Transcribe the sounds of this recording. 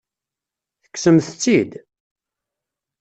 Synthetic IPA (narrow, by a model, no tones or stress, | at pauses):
θə̥ksəmθt͡sːid̪